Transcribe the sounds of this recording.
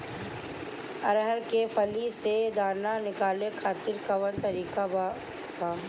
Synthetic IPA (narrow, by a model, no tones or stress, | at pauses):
ɐɾɦəɾkefʰɐlised̪aːnanɪkaːlekʰaːt̪ɪɾkɐʋənt̪ɐɾiːkab | kaː